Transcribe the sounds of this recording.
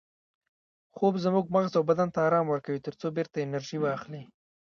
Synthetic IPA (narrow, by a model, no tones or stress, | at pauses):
xobzmuɡ̚maɣzawbad̪ant̪aɑɾɑmwəɾkawit̪əɾt͡sobeɾt̪aɪnaɾʒiwɑːxli